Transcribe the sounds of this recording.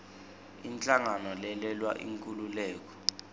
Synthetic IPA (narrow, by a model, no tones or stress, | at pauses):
int͡ɬʼaŋanɔlɛlɛlwa̰ʔḭŋkʼululɛːk̬ɔ̥